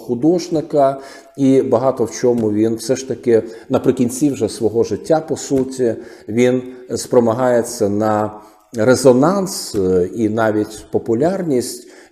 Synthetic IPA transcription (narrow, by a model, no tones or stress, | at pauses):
xʊd̪ɔʒnɪkɐ | ibɐɦɑt̪ɔwt͡ʃʲɔmʊʋʲinwsɛʃt̪ɐkɪnɐpɾɪkʲinʲt͡sʲiwʒɛsʋɔɦɔʒɪtʲːapɔsutʲi | ʋʲinspɾɔmɐɦɑjet͡sʲːɐnɐ | rezɔnɑnsinɑʋʲitʲpɔpʊlʲarnʲisʲtʲ